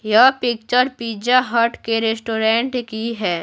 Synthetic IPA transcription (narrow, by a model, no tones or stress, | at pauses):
japɪk̚t͡ʃəɾpiːd͡ʒaɦɐʈkeɾesʈoːɾɛ̃ːɳʈkiɦɛː